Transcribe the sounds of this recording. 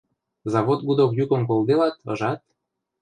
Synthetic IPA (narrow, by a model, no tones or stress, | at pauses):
zɑβot̪̚ɡud̪okjukə̆nkold̪elɑt̪ɤ̰ʒɑt̪̚